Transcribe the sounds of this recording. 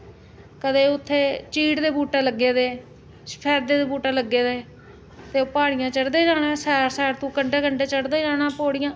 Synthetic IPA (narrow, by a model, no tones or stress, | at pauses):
kəd̪eːʊt̪ʰːeːt͡ʃiːɽd̪eːbuːʈaːləɡːeːd̪eː | spʰɛːɾd̪eːd̪eːbuːʈaːləɡːeːd̪eː | t̪eːoːpaːɽɪjãːt͡ʃəɽd̪eːd͡ʒaːɽãːsɛːɾsɛːɾt̪ũːkəɳɖeːkəɳɖeːt͡ʃəɽd̪eːd͡ʒaːnãːpoːɽɪjãː